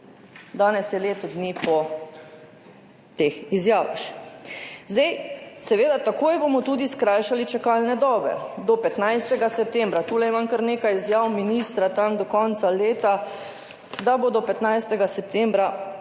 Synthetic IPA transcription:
d̪aːnɛsjɛleːt̪ɔd̪niːpɔ | t̪exizjaːʋa̰x | zd̪ajsɛʋeːd̪at̪akoːjbomɔt̪uːd̪iskɾaːjʃalit͡ʃɛkaːlnɛd̪ɔːbɛ̰d̪ɔpɛt̪najst̪ɛɡasɛp̚t̪ɛmbɾat̪uːlɛimamkəɾneːkajizjawminist̪ɾat̪amd̪ɔkɔnt̪saleːt̪a | d̪abod̪ɔpɛt̪najst̪ɛɡasɛp̚t̪ɛmbɾa

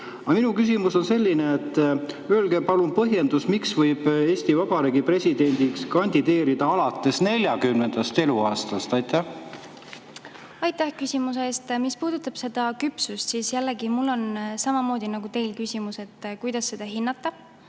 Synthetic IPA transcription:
ɑminukys̬ʲimuso̞nse̞lʲːineet̪ːˑ | øːlɡepɑlunpɤɦje̞nd̪usmiksvɤjb̥e̞ːsʲt̪ivɑbɑɾeːɡipre̞sʲid̪̥e̞nʲd̪̥ikskɑnʲd̪̥id̪e̞ːɾid̪̥ɑɑlɑt̪ːˑe̞sne̞lʲjɑkymne̞nd̪̥ɑst̪e̞luɑːst̪ɑst̪ɑjt̪ːˑæh | ɑjt̪ːæhkysʲimuseeːst̪mispuːd̪̥ut̪ːˑɑb̥se̞d̪̥ɑkypsust̪sisjælːeɡimulːo̞nsɑmɑmo̞ːd̪̥ʲinɑɡ̥ut̪e̞jlkysʲimuse̞t̪ːkujd̪̥ɑsːe̞d̪ɑɦinːɑt̪ːˑɑ

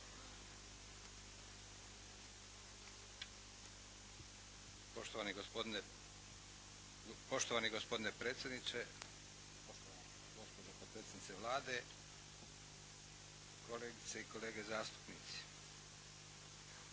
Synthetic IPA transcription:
oʃt̪oʋani | po̞ʃt̪oʋaːniɡospo̞d̪ine̞pɾeːt̪sʲjed̪nit͡ʃe | poʃt̪oʋaan | ɡospod̪opod̪pɾeːt̪ed̪nit̪seʋlˠaːd̪e̞ | koleːɡit̪seiko̞leːɡe̞zaːst̪u̥pniːt̪si̥

